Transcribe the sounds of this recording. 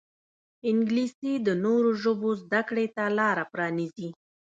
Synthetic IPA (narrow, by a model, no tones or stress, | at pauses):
ɪŋɡlisid̪ənoɾoʒobozd̪akɽet̪alɑɾapɾɑnizi